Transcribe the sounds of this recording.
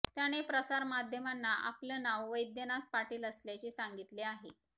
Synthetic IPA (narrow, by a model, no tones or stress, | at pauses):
t̪jaɽ̃epɾəsaɾmad̪ʱjəmanːaʔa̰plənawʋəjd̪jənat̪̚paʈiːləsljat͡ɕisaŋɡit̪leaɦe